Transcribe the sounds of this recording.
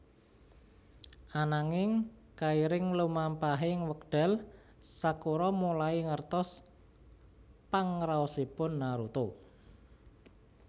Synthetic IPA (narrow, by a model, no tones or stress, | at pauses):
anaŋɪŋ | kaiɾɪŋlumampaɦɪŋwək̚ɖ̥ɛ̤l | sakoɾɔmulaiŋərt̪ɔs | paŋɾaosipʊnːaɾut̪o